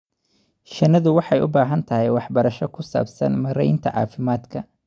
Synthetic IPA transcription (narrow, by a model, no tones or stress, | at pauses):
ʃɐnɐðʊwɑħɑjʊ̰baːɦɐnt̪ʰɐɦɛjwɑħbɐɾɐʃɔkʰʊsa̰ːbsɐ̰nmɐɾɛjɪnt̪ʰɐ̰ʕɑ̰ːfɪmaːd̪kʰɐ